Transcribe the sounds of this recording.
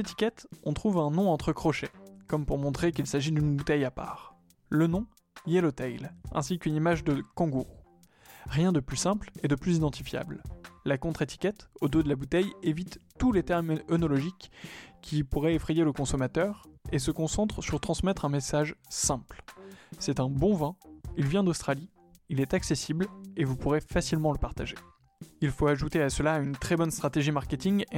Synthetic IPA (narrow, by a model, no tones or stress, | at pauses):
et̪i̥kʲɛt̪ɔ̃t̪χuvɛ̃nɔ̃ɑ̃t̪χəkχɔʃekɔmpuʁmɔ̃t̪χekʲilsaʒid̪ynbut̪ɛjapa̰ːʁ | lənɔ̃ | jelot̪ɛjlɛ̰̃sikynimaʒd̪əkɔ̃ɡuʁ | ʁjɛ̃d̪əplysɛ̃pled̪əplyzid̪ɑ̃t̪ifja̰bllakɔ̃t̪χet̪i̥kʲɛt̪od̪od̪əlabut̪ɛjevit̪ːulet̪ɛʁmɔnɔlɔʒikʲʰː | ipuʁɛefχejeləkɔ̃sɔmat̪œʁes̬əkɔ̃sɑ̃t̪χəsyʁt̪χɑ̃smɛt̪χɛ̃mesaʒsɛ̃plsɛt̪ɛ̃bɔ̃vɛ̃ilvjɛ̃d̪ost̪χali | ilɛt̪aksesiblevupuʁefasilmɑ̃ləpaʁt̪aʒe | ilfoaʒut̪easəlaynt̪χɛbɔnst̪χat̪eʒimaʁkʲet̪iŋ